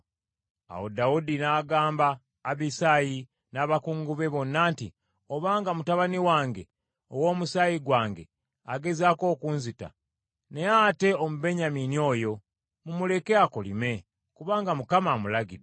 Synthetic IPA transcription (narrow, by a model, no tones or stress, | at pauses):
a̰wodaudinaːɡaːmbaː | βisaːji | naːβakuːŋɡuβe̞βo̞nːaːntḭ | o̞βaːŋɡamutaβaniwaːŋɡe̞ | owo̞ːmusajiɡwaːŋɡe̞̰ | aɡe̞zaːko̞ːkunzita̰ | ne̞ate̞omube̞ɲaminio̞ːjo̞ | mumule̞keakolḭme̞ | kuβaːŋɡamukamaːmulaɡide